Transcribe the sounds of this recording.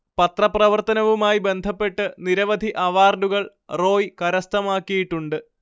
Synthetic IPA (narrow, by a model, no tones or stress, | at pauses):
pɐt̪rɐprɐʋɐrt̪ɐnɐʋumaːjibe̞nd̪ʱɐpːe̞ʈːɨniɾɐʋɐd̪ʱiʔɐʋaːrɖuɣɐɭ | ro̞ːjkɐɾɐst̪ɐmaːkːijiʈːuɳɖɨ